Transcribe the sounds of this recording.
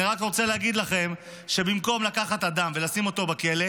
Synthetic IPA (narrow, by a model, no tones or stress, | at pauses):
iʁakʁo̞t͡se̞leaɡid̪laχe̞m | ʃe̞bimko̞mlakaχat̪ad̪amve̞lasimo̞t̪o̞bake̞le̞